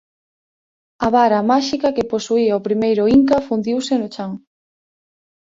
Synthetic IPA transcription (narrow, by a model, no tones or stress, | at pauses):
ɐβaɾɐmaʃikɐkeposuiaopɾimejɾʊiŋkɐfund̪iwsɪnʊt͡ʃaŋ